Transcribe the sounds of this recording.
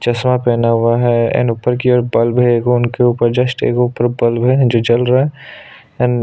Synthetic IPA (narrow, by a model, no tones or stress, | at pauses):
t͡ʃɐsmapɛːnaɦʊaɦɛɪ̰nupəɾkiɔːɾbɐlbɦɛkoʊnkeuːpəɾd͡ʒɐsʈḛːkuːpəɾbɐlbɦɛd͡ʒoːd͡ʒɐlɾaɛ | n